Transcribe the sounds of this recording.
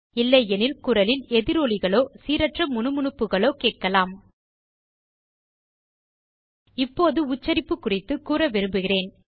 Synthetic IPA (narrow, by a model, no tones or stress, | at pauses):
ɪlːɐɪɛnɪlkʊrɐlɪlɛðɪɾoːɭɪɣɐɭoːsiːɾɐʈrɐmːʊnɯmʊɳɯpːɯɣɐɭoːkeːʈ̚kɐlaːm | ɪpːoːðɯʊt͡ʃːɐɾɪpːɯkːʊrɪt̪ːɯkuːrɐʋɪɾɯmbɯɣɪreːn